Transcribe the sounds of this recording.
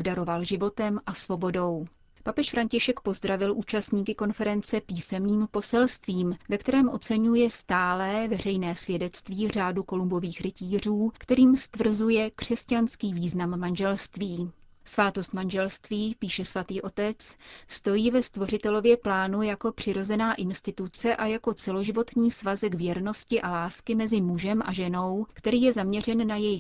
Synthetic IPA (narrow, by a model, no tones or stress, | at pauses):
bdaɾo̞valʒɪvo̞t̪ɛmʔasvo̞bo̞do̞w | papɛʃfɾaɲcɪʃɛkpo̞zd̪ɾavɪlʔuːt͡ʃast̪ɲiːkɪko̞nfɛɾɛnt͡sɛpiːsɛmniːmpo̞sɛlst̪viːmvɛkt̪ɛɾɛːmʔo̞t͡sɛɲujɛst̪aːlɛːvɛr̝ɛjnɛːsvjɛdɛt͡st̪viːr̝aːduko̞lumbo̞viːxɾɪciːr̝uːkt̪ɛɾiːmst̪vr̩zujɛkr̝̥ɛscanskiːviːznamːanʒɛlst̪viː | svaːt̪o̞st̪manʒɛlst̪viːpiːʃɛsvat̪iːʔo̞t̪ɛt͡sst̪o̞jiːvɛst̪vo̞rɪt̪ɛlo̞vjɛplaːnujako̞pr̝̥ɪɾo̞zɛnaːʔɪnst̪ɪt̪ut͡sɛʔajako̞t͡sɛlo̞ʒɪvo̞t̪ɲiːsvazɛkvjɛɾno̞scɪʔalaːskɪmɛzɪmuʒɛmʔa̰ʒɛno̞wkt̪ɛɾiːjɛzamɲɛrɛnːajɛjɪx